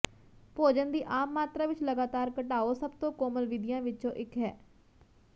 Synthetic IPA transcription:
poːd͡ʒənd̪iːʔaːmːaːt̪ɾaːʋɪt͡ʃləɡaːt̪aːɾkəʈaːoːsəbt̪õːkoːməlʋɪd̪ɪjãːʋɪt͡ʃõːʔɪkɦɛː

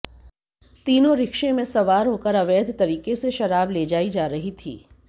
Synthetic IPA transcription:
t̪iːnõɾɪkʃẽmẽsɐʋaːɾɦoːkəɾɐʋeːd̪ʱt̪ɐɾiːkeseʃɐɾaːbled͡ʒaːid͡ʒaːɾɐɦit̪ʰḭː

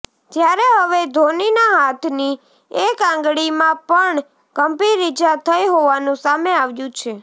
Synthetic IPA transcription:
tjaɾeɦəʋed̪ʱoninaɦat̪ʰni | ekãŋɡɽimãpəɳ | kəmpiɾid͡ʒat̪ʰəjɦoʋanũsameaʋjũt͡ʃʰe

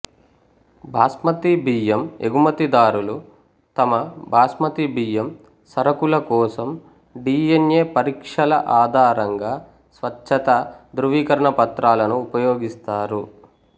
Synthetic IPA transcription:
bʱaːsmɐt̪ibiːjemeɡumɐt̪id̪aːɾulu | t̪ɐmɐbʱaːsmɐt̪ibiːjem | sɐɾɐkulɐkɔːsɐm | ɖiːenjeːpɐɾiːkʂɐlɐ̰ʔaːd̪ʱaːɾɐŋɡaː | sʋɐt͡ʃʰːɐt̪ɐd̪ɾuʋiːkɐɾɐɳɐpɐt̪ɾaːlɐnuːpɐjoːɡist̪aːɾu

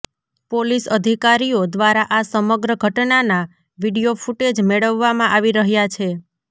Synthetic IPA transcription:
polisəd̪ʱikaɾiod̪ʋaɾaʔasəməɡɾəɡʱəʈnana | ʋiɽijofuʈed͡ʒmeɭəʋːamãʔaʋiɾəɦjat͡ʃʰe

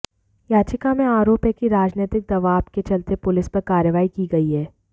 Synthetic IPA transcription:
jaːt͡ʃɪkamẽaːɾoːpjəkiɾaːd͡ʒneːt̪ɪk̚d̪ɐʋaːbket͡ʃɐlt̪epʊlɪspɐɾkaːɾjəʋaːikiɡɐiɦɛː

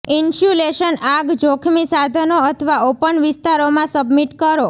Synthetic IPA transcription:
insuleʃənaɡd͡ʒokʰmisad̪ʱənoət̪ʰəʋaopəɳʋɪst̪aɾomãsəbmiʈkəɾo

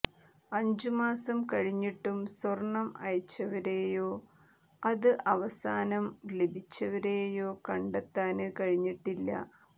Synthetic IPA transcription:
ɐɲd͡ʑumaːsɐmkɐɻiɲːiʈːumswɐrɳːɐmɐ̰ɻit͡ɕːɐʋɐɾeːjo̞ː | ɐðɨʔɐʋɐsaːnɐmle̞bʱit͡ɕːɐʋɐɾeːjo̞ːkɐɳɖet̪ːaːnɨkɐɻiɲːiʈːilːɐ̰

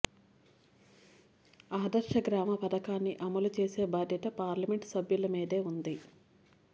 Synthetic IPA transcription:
aːd̪ɐɾʂɐɡɾaːmɐpɐd̪ɐkaːnːiʔɐmɐlut͡ʃeːse̞ːbaːd̪jɐʈɐpaːɾlɐme̞ɳʈsɐbjulɐmiːd̪e̞ːund̪i

